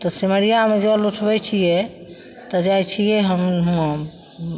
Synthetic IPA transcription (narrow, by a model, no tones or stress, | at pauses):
t̪ɔsiməɾijamed͡ʒeluʈʰbɛt͡ʃʰijɛ | t̪ɔd͡ʒajt͡ʃʰijɛɦəmɦ